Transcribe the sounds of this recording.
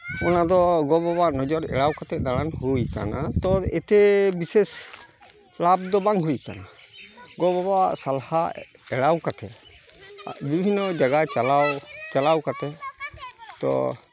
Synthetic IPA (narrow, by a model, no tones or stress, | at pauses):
ɔnad̪ɔɡɔbabaʔnɔd͡ʒɔɾɛ̰ɽawkat̪ɛd̪aɽ̃anhujka̰nat̪ɔɛt̪ɛbises | lab̚d̪ɔbaŋɦujka̰na | ɡɔbɔbaʔsalhaɛɽawkat̪ɛ | a̰bibʱinːɔd͡ʒaɡat͡ʃalawt͡ʃalawkat̪ɛ | t̪ɔ̰